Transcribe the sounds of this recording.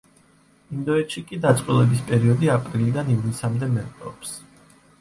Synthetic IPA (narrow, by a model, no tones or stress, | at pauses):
ind̪ɔɛt̪ʃikʼid̪at̪sʼqʼwilˠɛbispʼɛɾiɔd̪iapʼɾilid̪anivlisamd̪ɛmɛqʼɔɔps